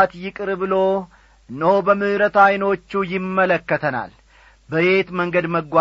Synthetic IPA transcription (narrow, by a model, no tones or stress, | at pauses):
t̪jɪkʼɨɾbɨlo̞ | ɨnːəhobəmɨhɨɾət̪ajno̞t͡ʃːujɪmːələkːət̪ʰəna̰l | bəbe̞t̪məŋɡəd̪məɡʷa